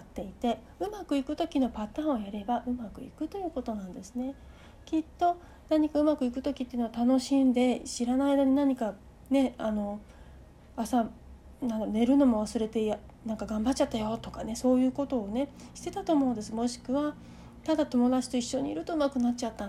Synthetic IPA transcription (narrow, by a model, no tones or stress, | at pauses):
at̪ːe̞it̪e̞ | ɯ̟makɯ̟ikɯ̟t̪o̞kʲino̞pat̪ãːɰ̃ojaɾe̞baʔɯ̟makɯ̟ḭkɯ̟t̪o̞jɯ̟ːkot̪o̞nãnd̪e̞sɨne̞ | kʲit̪ːo̞ | naɲ̟ikaɯ̟makɯ̟ikɯ̟̥t̪o̞kʲit̪ːeiɯ̟no̞at̪ano̞ɕĩnd̪e̞ɕiɾanaid̪aɲ̟inaɲ̟ika | ne̞ano̞ | asa | nãŋkne̞ɾɯ̟no̞mo̞β̞asɨɾe̞t̪e̞ja | nãŋkaɡãmbat͡ɕːt͡ɕat̪ːajo̞t̪o̞kane̞so̞ːjɯ̟ːko̞t̪o̞ːne̞ɕi̥t̪e̞t̪at̪o̞ːmo̞ɯ̃nd̪e̞sɨmo̞ɕi̥kɯ̟βa | t̪ad̪at̪o̞mo̞d̪at͡ɕi̥t̪o̞iɕːo̞ɲ̟iḭɾɯ̟t̪o̞ɯmakɯ̟nat͡ɕːt͡ɕat̪ːa